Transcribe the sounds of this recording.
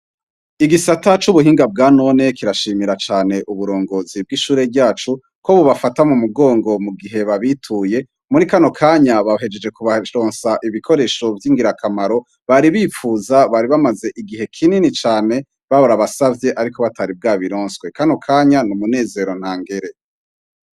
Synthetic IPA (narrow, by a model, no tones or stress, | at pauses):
iɡisatat͡ʃuβuɦiːŋɡab̚ɡaːno̞ne̞kiɾaʃiːmiɾat͡ʃaːne̞ʔuβuɾo̞ːŋɡo̞ːzib̚ɡiʃuːɾe̞bɟaːt͡ʃu | ko̞βuβafatamumuɡo̞ːŋɡo̞muɡiɦe̞βaβitʰuje̞ | muɾikano̞kʰaːɲaβaɦe̞d͡ʒe̞d͡ʒe̞kuβaɾo̞ːnsaʔiβikʰo̞ɾe̞ːʃo̞vjiːŋɡiɾakʰamaɾo̞ | βaɾiβiːfuzaβaɾiβamaze̞ʔiɡiɦe̞kʰininit͡ʃaːne̞ | βaβaɾaβasavje̞ʔaɾikoβataɾib̚ɡaːβiɾo̞ːnskwe̞kano̞kʰaːɲanumune̞ːze̞ɾo̞n̥haːŋɡe̞ɾe̞